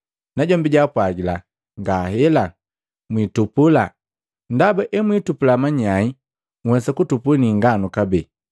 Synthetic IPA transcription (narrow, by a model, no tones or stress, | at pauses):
naɟɔmbiɟapwaɡila | ŋɡahɛla | mwitupula | ndabaʔɛmwitupulamaɲai | ŋ̩wɛsakutupuniŋɡanukabɛ